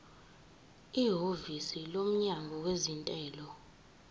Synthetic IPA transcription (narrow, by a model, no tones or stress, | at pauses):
iɦovisilom̩ɲaŋʱɔwezintʼɛːlɔ